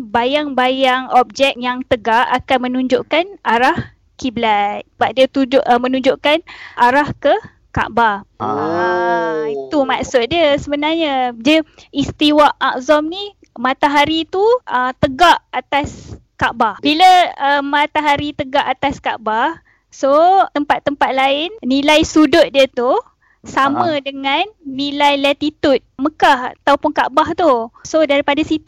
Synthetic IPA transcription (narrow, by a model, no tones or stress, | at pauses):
bajaŋbajaŋɔp̚d͡ʒɛk̚jaŋt̪əɡaʔakanmə̃nũɲd͡ʒoʔkanʔaɾah | kiblajb̥aʔ̚diət̪ud͡ʒʔmənũɲd͡ʒoʔkanaɾahkə | ka̰ʔbarəit̪umaʔsʊt̪̚diəsəbənarɲad͡ʒəist̪iwaʔaʔ̚zɔmni | mat̪aɦaɾit̪uʔət̪əɡaʔat̪askaʔbahbiləəmat̪aɦaɾit̪əɡaʔat̪askaʔbah | soəmpat̪ːəmpat̪̚laɪnnilajsudʊt̪̚diət̪u | samə̃dəŋanːĩlajlat̪it̪ut̪̚məkaha̰t̪awpʊnkaʔbaht̪usodaɾipadasit̪